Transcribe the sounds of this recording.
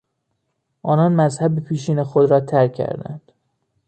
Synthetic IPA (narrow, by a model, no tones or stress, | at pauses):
ʔɒːnɒːnmæzhæbepʰiːʃ̬iːnexod̪ɾɒːt̪ʰæɾkʰːæ̰ɾd̪æ̰nd̪̥